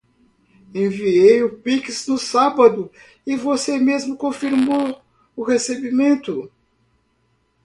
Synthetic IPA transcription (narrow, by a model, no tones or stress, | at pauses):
ẽviejʊpiksnʊsabɐd̪ʊ | ɪvosemezmʊkõfiɾmow | ʊhesebimẽnt̪ʊ